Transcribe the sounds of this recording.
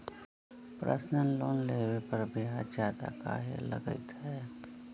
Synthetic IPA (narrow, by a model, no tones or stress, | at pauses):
pɾʔə̰snənloːnleːwepəɾbʱiɦaːd͡ʒaːt̪a̰ka̰ːɦḛlə̰ɡə̰t̪ɦɛː